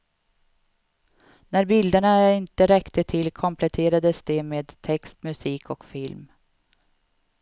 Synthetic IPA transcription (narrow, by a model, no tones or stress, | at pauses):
næɾbɪld̪əɳaæɾɪnt̪əɾɛkt̪ət̪ʰɪlkʰɔmpʰlɛt̪ʰeːɾad̪əsd̪ɛmeːd̪t̪ʰɛkst̪mɵsiːkʰɔkfɪlm